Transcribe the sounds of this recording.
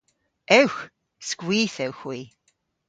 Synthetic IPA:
ɛwx | skwiːθɛwxwiː

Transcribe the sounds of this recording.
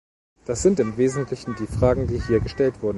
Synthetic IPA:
d̥asz̥ɪntɪmveːzn̩tʰlɪçn̩diːfʁ̥aːɡŋ̩diːhiːɐɡəʃtɛltv̥ʊɐdn̩

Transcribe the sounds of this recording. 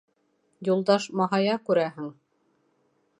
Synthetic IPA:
julˠd̪ɑʃmɑɦɑjɑkʉɾæɦɘŋ

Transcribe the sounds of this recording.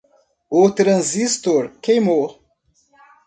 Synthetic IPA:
ʊt̪ɾɐ̃zist̪oɾkejmo

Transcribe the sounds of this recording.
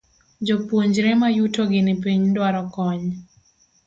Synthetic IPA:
d͡ʒɔpwoɲd͡ʒɾɛmajutoɡɪnɪpiɲndwaɾɔkɔɲ

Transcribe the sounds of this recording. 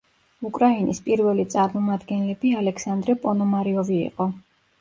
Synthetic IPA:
ukʼɾainispʼiɾvɛlit̪sʼaɾmɔmad̪ɡɛnlɛbialɛkʰsand̪ɾɛpʼɔnɔmaɾiɔvḭːqʼɔ

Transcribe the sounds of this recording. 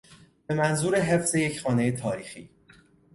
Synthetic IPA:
b̥e̞mænzuːɾeɦe̞fz̥e̞jecʰxɒːne̞jet̪ʰɒːɾiːxḭː

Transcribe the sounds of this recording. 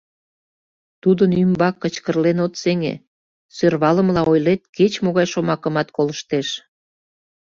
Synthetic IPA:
t̪ud̪ənymbɑkːət͡ɕkərlenot̪seŋḛ | sørβɑləmlɑojlet̪̚ket͡ɕmoɣɑjʃomɑkəmɑt̪koləʃt̪eʃ

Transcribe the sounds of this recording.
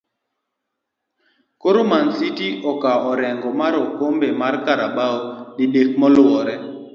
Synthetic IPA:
koɾomansitiɔkaɔɾɛŋɡɔmaɾɔkombemaɾkaɾaɓaoɗiɗek̚mɔlwɔɾɛ

